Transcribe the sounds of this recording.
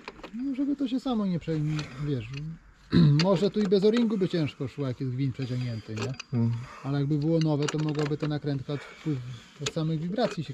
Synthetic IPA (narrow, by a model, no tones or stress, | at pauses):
nɔʐɛbɘt̪ɔɕ̬ɛsamɔɲɛpʂɛɛvʲjɛʂ | mɔʐɛt̪uibɛzɔɾʲiŋɡubɘt͡ɕɛ̃ʂkɔʂwajakʲjɛʑɡvʲiɲpʂɛt͡ɕɔŋɡɲɛnt̪ɛɲɛ | alɛjaɡ̚bɘbɘwɔnɔvɛt̪ɔmɔɡwɔbɘt̪ɛnakɾɛnt̪kat͡ɕfpwɘf | ɔsamɘɣvʲiɡɾat̪sʲjiɕɛ